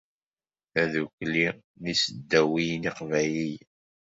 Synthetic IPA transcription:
æðukli | nisəd̪ːæwijniqvæjlij

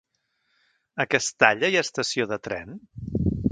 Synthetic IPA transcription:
əkɛst̪aʎəiəst̪əsioðət̪ɾɛ̰n

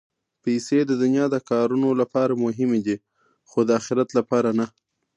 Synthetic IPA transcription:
pejsed̪əd̪unjɑd̪əkɑɾunolapɑɾamʊɦɪmed̪i | xod̪əaxɪɾat̪lapɑɾana

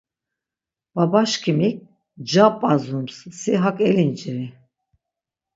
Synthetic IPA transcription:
b̥abaʃkʰimik̚ | d͡ʒapʼazumssiɦakʼɛlint͡ʃiɾi

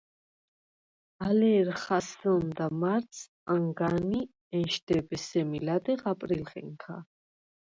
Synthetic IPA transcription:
alɛɾχasɔnd̪amaɾt̪sʰ | aŋɡani | ɛnʃd̪ɛbɛsɛmilad̪ɛʁapʼɾilχɛ̰ŋkʰa̰

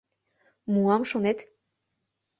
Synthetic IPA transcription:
muamʃonɛt̪

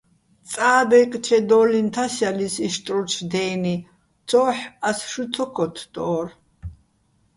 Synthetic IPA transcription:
t͡sʼaːbɛkʼt͡ʃʰɛd̪ɔːlint̪ʰasjalisiʃt̪ʼɾut͡ʃʰd̪ɛːni | t͡sʰɔːħasʃut̪ʰɔkʰɔt̪ʰd̪̥ɔːr

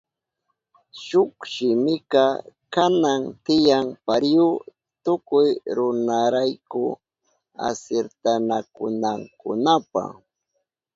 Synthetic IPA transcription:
ʃʊkʃɪmɪkɑkanaŋt̪ɪjaŋpaɾjʊ | t̪ʊkʊjɾʊnaɾajkʊ̰ | a̰seɾt̪anakʊ̰naŋkʊ̰napa̰

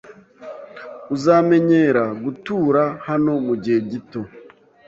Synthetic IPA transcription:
uzaːme̞ɲe̞ɾaɡutuːɾahano̞muɟieɟito̞

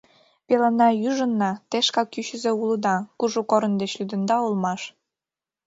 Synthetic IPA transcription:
pelɑnɑjyʒə̆nːɑt̪eʃkɑkːyɕə̆zĕuləd̪ɑkuʒukoɾə̆nd̪et͡ɕlyd̪ə̆nd̪ɑulmɑʃ

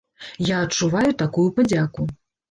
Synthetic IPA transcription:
jaːt͡ʂuvajut̪akujupad͡zʲaku

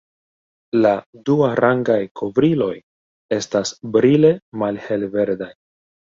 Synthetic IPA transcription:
laduaɾaŋɡajkʰo̞vɾilo̞j | e̞stasbɾile̞malhe̞lve̞ɾdaj

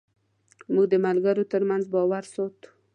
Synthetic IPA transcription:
muɡ̚d̪əmalɡaɾot̪əɾmanzbɑwaɾsɔt̪u̥

